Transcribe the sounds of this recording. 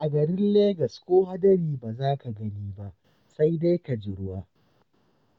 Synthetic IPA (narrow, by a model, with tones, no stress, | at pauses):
ʔa˨ɡɐ˨ɾɪ˦nleː˦ɡɐ˨skʷoː˦ha˦dɐ˦ɾiː˨baː˨zaː˦ka˨ɡɐ˦niː˦ba˦ʔ | sa˦jda˦jka˨d͡ʒɪ˨ɽwaː˦